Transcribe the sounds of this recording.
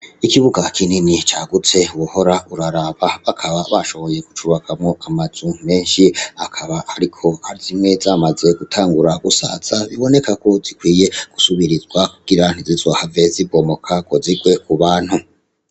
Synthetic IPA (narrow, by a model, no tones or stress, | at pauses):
ikiβuɡakʰininit͡ʃaːɡut͡se̞wuho̞ɾaʔuɾaɾaːβaβakʰaβaβaʃo̞βo̞je̞ɡ̥u̥t͡ʃuβakʰamŋo̞ʔamaz̥ume̞ːnʃiakʰaβahaɾikʰo̞haɾizimŋe̞zaːmaze̞ɡutʰaːŋɡuɾaɡusa̰t͡saβiβo̞ne̞kako̞zikwiːje̞ɡ̥usuβiɾizɡwakuɡ̥iɾan̥izizoːhave̞zibo̞mo̞kʰaɡ̥o̞ziɡwe̞kuβaːn̥hu